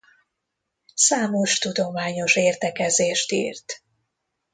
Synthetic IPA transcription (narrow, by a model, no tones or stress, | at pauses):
saːmo̞ʃt̪ud̪o̞maːɲo̞ʃeːrt̪ɛkɛzeːʃt̪ḭːrt̪